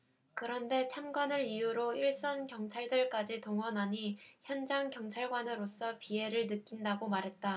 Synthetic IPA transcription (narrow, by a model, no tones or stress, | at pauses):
kɯɾʌnde̞t͡ɕʰamɡwanɯɾijuɾoiɭs͈ʌnkjʌŋt͡ɕʰaɭdɯɭk͈ad͡ʑitoŋwʌnɦaɲiçjʌnd͡ʑaŋkjʌŋt͡ɕʰaɭɡwanɯɾos͈ʰʌpie̞ɾɯɭnɯk͈indaɡomaɾɦe̞t̚t͈a